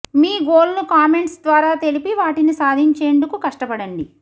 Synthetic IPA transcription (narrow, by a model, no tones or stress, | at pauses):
miːɡoːlnukaːme̞ɳʈsd̪ʋaːɾaːt̪e̞lipiʋaːʈinisaːd̪ʱiɲt͡ʃeːɳɖukukɐʂʈɐpɐɽɐɳɖi